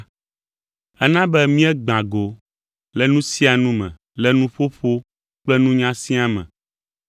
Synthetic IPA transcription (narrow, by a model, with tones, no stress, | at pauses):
ɛ˦nã˦bɛ˦mĩ˦ɛ˦ɡ͡bã˨ɡo˨ | lɛ˦nũ˦si˦a˨nũ˦mɛ̰̃˨ | lɛ˦nũ˦ɸo˦ɸo˦ | k͡plɛ˦nũ˦ɲã˦sĩ˦a˦mɛ̰̃˨